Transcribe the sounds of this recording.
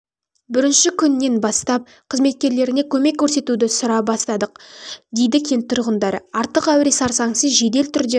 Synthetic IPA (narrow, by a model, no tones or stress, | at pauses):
bɪɾɪnʃɪkʲʰʏnːe̞nbɑst̪ɑp̚ | qʰəzme̞t̪̚kʲe̞ɾle̞ɾɪne̞kʲʰɵme̞kʲʰːɵɾse̞t̪ud̪ɪsʊɾɑbɑst̪ɑd̪əqd̪e̞jd̪ɪkʲʰe̞nt̪ʰʊɾʁənd̪ɑɾəɑɾt̪əqæwɾesɑɾsɑŋsəzʒe̞d̪e̞lt̪ʰʏɾd̪e̞